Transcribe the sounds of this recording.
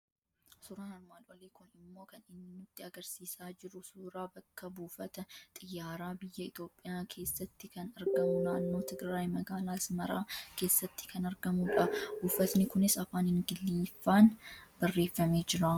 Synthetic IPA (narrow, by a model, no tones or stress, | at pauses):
suːɾaːnɐɾmaːlwɐ̰leːkʊnɪmːo̞ːkɐnɪnːɪnʊt̪ːɪɐɡɐɾsiːsaːd͡ʒɪɾʊsuːɾaːbɐkːɐbuːfɐt̪ɐt̪ʼɪjːaːɾaːbɪjːɐɪt̪jo̞ːpʼːɪjaːkʰe̞ːsːɐt̪ːɪkɐnɐɾɡɐmʊnaːnːoːt̪ɪɡɾaːjmɐɡaːlaːɪsmɐɾaːke̞ːsːɐt̪ːɪ̥kɐnɐɾɡɐmuᶑɐbuːfɐt̪nɪkʊnɪsɐfaːnhɪŋɡɪlːiːfːaːnb̥ɐrːe̞ːfːɐme̞ːd͡ʒɪɾa